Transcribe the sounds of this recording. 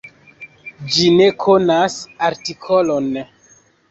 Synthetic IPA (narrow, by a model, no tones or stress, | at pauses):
d͡ʒine̞kʰonasaɾtikʰolon